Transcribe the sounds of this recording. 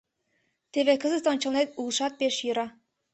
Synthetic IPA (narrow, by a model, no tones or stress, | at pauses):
t̪eβekɤ̆zɤ̆st̪ɒnt͡ɕɤ̆lˠnet̪ulˠʃɑt̪̚peʃjɯɾɑ